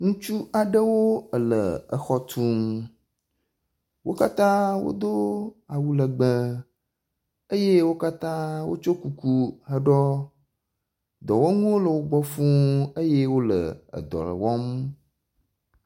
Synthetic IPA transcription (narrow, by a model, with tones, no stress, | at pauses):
ŋũ˦t͡ʃu˦a˨ɖə˦wo˦ə˨lə̰˨ə˨xɔ˦t̪ʰũ˦m | wo̰˦ka˦t̪ã˦wo̰˦d̪o˦a˨wu˦lə˨ɡ͡bə˦ | ə˦je˦wo˦ka˦t̪ã˦wo̰˦t͡ʃo˦ku˨ku˦ɦə˦ɖɔ˦ | d̪ɔ˨wo˦ŋũ˦wo˦lə˨wo˦ɡ͡bɔ˦fũ˦ə˦je˦wo˦lə̰˨ə̰˨d̪ɔ̰˨lə̰˨wɔ˦m